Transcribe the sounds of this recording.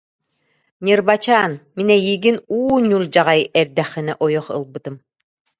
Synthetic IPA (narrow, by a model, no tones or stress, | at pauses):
ɲɯɾbat͡ɕaːnminɛjiːɡinuːɲulˠd͡ʑaʁajɛɾd̪ɛχːinɛʔɔjɔχɯ̰lˠbɯt̪ɯm